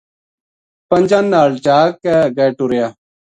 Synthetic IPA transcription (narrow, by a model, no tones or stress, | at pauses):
pəɲʲd͡ʒaːnːaːɭt͡ʃaːkːeːɡeːʈuɾɪjaː